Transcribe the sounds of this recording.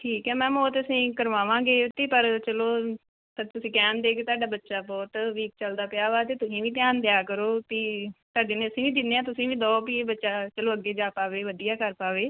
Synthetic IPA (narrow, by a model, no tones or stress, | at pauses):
ʈʰiːkɦɛːmɛ̃ːmɔːt̪əsĩːkəɾʋaːʋãːɡeːt̪eːpəɾt͡ʃəloː | t̪t̪ʊsĩːkɛːnd̪eːkeːt̪aːɖaːbətːʃaːbɔːt̪ʋiːk̚t͡ʃəld̪aːpɪjaːʋaːt̪eːt̪ʊsĩːʋĩːt̪̬jaːnd̪ɪjaːkəɾoːt̪iːt̪aːɖeːneːəsĩːʋiːd̪ɪnːeːãːt̪ʊsĩːʋĩːd̪ɔːpiːbətːʃaːt͡ʃəloːəɡːeːd͡ʒaːpaːʋeːʋəd̪ijaːkəɾpaːʋeː